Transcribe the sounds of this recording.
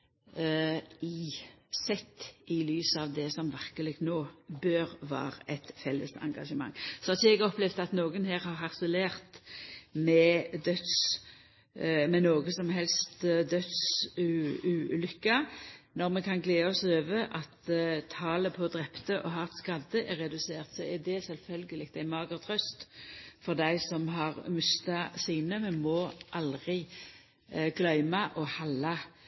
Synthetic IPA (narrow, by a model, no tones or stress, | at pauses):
isɛt̪ːɪlyːsəɑʋd̪ɛsɔmʋæʁkəlɪɡt̪noːbøːʁʋɑ̰ːʁɛt̪fɛlːə̰sɑ̰ŋɡɑʃəmɑ̰ŋːsɔhɑt͡ʃəɛɡɔplɛʋd̪ɑt̪noːɡənheːʁhɑʁhɑʁsəleːʁt̪mɛd̪œt̪s | mɛnoːɡəsɔmɦɛlst̪d̪œd̪sʉʉlʏkːɑnɔʁmɛkʰɑnɡleːɔsøːʋəʔɑt̪t̪ʰɑːləpʰɔd̪ʁɛpt̪əʔɔɦɑʁt̪skɑd̪əʔæɾɛd̪ʉseːʁt̪sɔɛd̪ɛsɛlfœlɡəlɪk̚t̪æɪmɑːɡəʁt̪ʰʁœst̪fɔʁd̪æɪsɔmɦɑʁmʉst̪ɑsiːnəmɛnmɔʔɑlʁɪ | ɡ̥lœʏmɑʔɔhɑlːɑ